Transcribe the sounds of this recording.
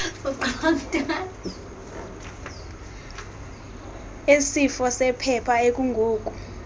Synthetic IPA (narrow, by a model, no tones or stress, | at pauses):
uǃɔntʼa | esifɔsɛpʰɛpʰaek̬ʼuŋɡʱoːk̬ʼu